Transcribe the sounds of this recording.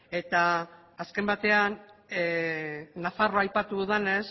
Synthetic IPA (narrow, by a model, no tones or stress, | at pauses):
e̞t̪aː | ske̞mbat̪e̞an | afaroajpat̪uðane̞s